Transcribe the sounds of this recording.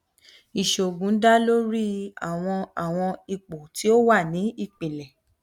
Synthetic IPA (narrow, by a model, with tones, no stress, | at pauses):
i˨ʃo˨ɡũ˨˦da˦lo˦ɾi˦a̰˨w̃ɔ̃˧a˨w̃ɔ̃˧i˧k͡po˨tʰi˨˦o˦wa˦˨nĩ˨˦i˦˨k͡pĩ˨lɛ˨